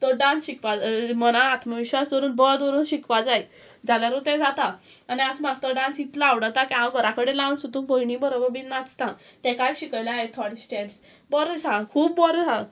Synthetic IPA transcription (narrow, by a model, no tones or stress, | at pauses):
t̪ɔɖãnsɕikʋad͡zmənãːt̪ʰməʋiɕasd̪ɔɾuːnbəɭd̪ʋɔɾuːnɕikʋad͡zaj | d͡zaljaɾut̪ɛ̃d͡zat̪aːniasmaɡt̪ɔɖãnsit̪laaʋɽat̪akiãwɡʱəɾakəɽelãnsud̪ũːbɔinĩbəɾobəɾbinːat͡st̪ã | t̪ɛ̃kaɾɕikəjlaet̪ʰɔɽsʈɛɖs | bɔɾd͡zʱãkʰuːbːɔɾd͡zã